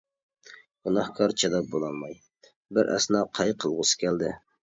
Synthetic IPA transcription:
ɡ̥unɑhkʰɑɾt͡ʃʰɛd̪ɑp̚bolˠɑlˠmɑj | bɪɾɛ̰snɑqʰɑjqʰəlˠʁʊsɨ̥kʲʰɛld̪ɪ

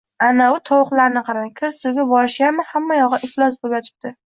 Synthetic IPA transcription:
anaʊt̪ʰɒwʊqlˠaɾnɪqʰɑɾakʲʰɪɾsʊwɡʲabɒɾɪʃjamɪhamːajɒʁɑʔɪflˠɒsboɡʲat̪ʰɪ̥p̚t̪ɪ

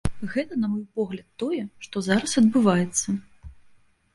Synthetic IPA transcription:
ɣɛt̪ɐnɐmɔjpɔɣlʲɐt̪ːɔjɛʂt̪ɔzaɾɐsɐd̪̚bɨvajɛt̪sːɐ

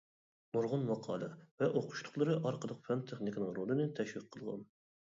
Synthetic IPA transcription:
mʊɾʁʊnmɑqʰɑːlˠɨvɛʔoqʰʊ̥ʃt̪ʰʊ̥χlˠəɾɨʔɑɾqʰəlˠəq̚fɛnt̪ʰeχnɪkʲɪnɨŋɾolˠɨnɨt̪ʰɛʃwiqʰːəlˠʁɑ̰n

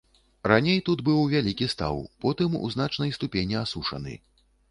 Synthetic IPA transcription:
ɾanʲejt̪ud̪bɨwvʲalʲikʲist̪a̰wpɔt̪ɨmṵznat͡ʂnɐjst̪upʲenʲiasuʂɐ̰nɨ̰

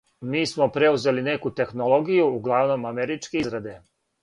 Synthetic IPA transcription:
miːsmo̞pɾe̞uze̞line̞kut̪e̞xnolˠo̞ɡijuːɡlˠaʋno̞mameɾit͡ʃkeizɡɾad̪e̞

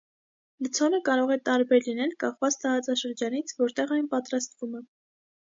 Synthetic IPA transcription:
lət͡sʰɔnəkɑɾɔʁɛt̪ɑɾbɛɾlinɛlkɑχvɑt͡sʰt̪ɑɾɑt͡sɑʃəɾd͡ʒɑnit͡sʰvɔɾt̪ɛʁɑjnpɑt̪ɾɑst̪vumɛ

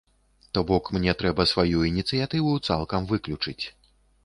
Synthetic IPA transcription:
t̪ɔbɔkmnʲɛt̪ɾɛbɐsvajuinʲit̪sɨjat̪ɨvut̪sa̰lˠkɐmvɨklʲut͡ʂɨt͡sʲ

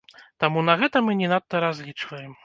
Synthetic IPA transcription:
t̪amunɐɣɛt̪ɐmɨnʲɛnat̪ːɐɾazʲlʲit͡ʂvɐjɛm

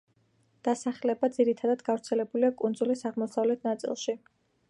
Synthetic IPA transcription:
d̪̥asaχlɛbad̪ziɾit̪ʰad̪ad̪ɡavɾt̪sʰɛlɛbuliakʼund̪zulisaʁmɔsavlɛt̪ʰnat̪sʼḭlˠʃi

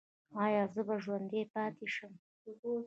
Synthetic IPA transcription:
ɑjɑzəbaʒwand̪epɑt̪eʃəm

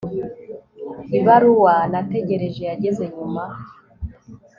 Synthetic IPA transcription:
iβaɾuwanate̞ɟe̞ɾe̞ʒe̞jaɟeze̞ɲuma

